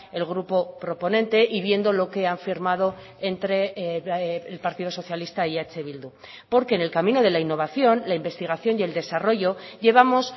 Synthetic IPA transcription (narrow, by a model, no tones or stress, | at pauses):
e̞lɣ̞ɾupo̞pɾo̞po̞nẽ̞nt̪e̞ʔiβje̞nd̪olo̞ke̞aɱfiɾmaðo̞ | ent̪ɾe̞ː | lpaɾt̪ið̞o̞so̞θjalist̪aiat͡ʃe̞βild̪u | po̞ɾke̞ːne̞lkamĩno̞ð̞e̞lainːo̞βaθjo̞nlaimbe̞st̪iɣ̞aθjo̞nje̞ld̪e̞saro̞ʝo̞ʝe̞β̞amo̞s